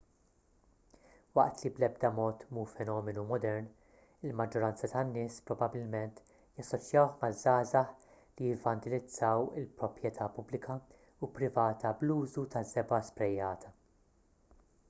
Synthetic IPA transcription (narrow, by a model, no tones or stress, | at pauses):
wɐʔt̪liblɛb̚d̪ɐmɔːt̪muːfɛnɔːmɛnumɔd̪ɛɾn | ɪlmɐd͡ʒːɔɾɐnt͡sɐt̪ɐnːɪːspɾɔbɐbɪlmɛnt̪ | jɐsːɔt͡ʃjɐwħmɐzːɐːzɐħ | lijɪvɐnt̪ɪlɪd͡zːɐwɪlpɾɔpɾjɛt̪ʰɐpʊblɪkʰɐ | upɾɪvɐːt̪ɐbluːzut̪ɐzːɛbɐspɾɛjːɐːt̪ʰɐ